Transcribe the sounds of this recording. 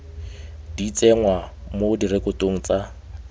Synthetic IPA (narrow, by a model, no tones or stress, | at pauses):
d̥it͡sʼɛŋwamodiɾekʊtoŋ̩t͡sa